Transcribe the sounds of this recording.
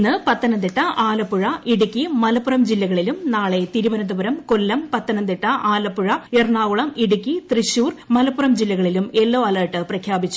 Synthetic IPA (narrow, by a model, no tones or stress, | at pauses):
nːɨpɐt̪ːɐnɐnd̪iʈːɐʔaːlɐpːuɻɐʔiɽukʲːimɐlɐpːurɐmd͡ʑilːɐɣɐɭilumnaːɭe̞t̪iɾuʋɐnɐnd̪ɐbɐɾɐmko̞lːɐmpɐt̪ːɐnɐnd̪iʈːɐʔaːlɐpːuɻɐerɳaːɣuɭɐmiɽuk̬ʲːit̪riɕuːrmɐlɐpːurɐmd͡ʑilːɐɣɐɭilume̞lːoːɐlɐːʈːɨprɐkʰjaːbit͡ɕːu